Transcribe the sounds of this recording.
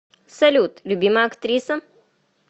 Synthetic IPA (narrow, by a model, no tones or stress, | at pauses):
sɐlʲuːt̪lʲubʲiːmaɐkt̪ɾiːsə